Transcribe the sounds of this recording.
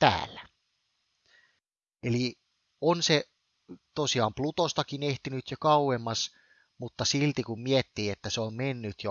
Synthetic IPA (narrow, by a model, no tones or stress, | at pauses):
t̪æ̰ːlːæ | eli | onse | t̪osiɑːmplut̪ost̪ɑkineht̪inyt̪jokɑuwemːɑs | mut̪ːɑsilt̪ikummiet̪ːiːet̪ːæseommenːyt̪jo